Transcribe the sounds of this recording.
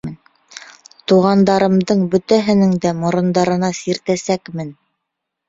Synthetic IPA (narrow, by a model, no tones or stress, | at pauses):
n | t̪uʁɑnd̪ɑɾɤ̆md̪ɤɴbɵ̆t̪æɦɘ̆nɘŋd̪æmŏɾŏnd̪ɑɾɤ̆nɑsiɾt̪æsækmɘn